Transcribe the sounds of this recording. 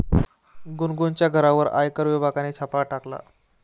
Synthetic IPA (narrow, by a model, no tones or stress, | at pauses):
ɡunɡunt͡ɕjaɡʱəɾaʋəɾa̰jkəɾʋibʱaɡanet͡ɕʰapaʈakla̰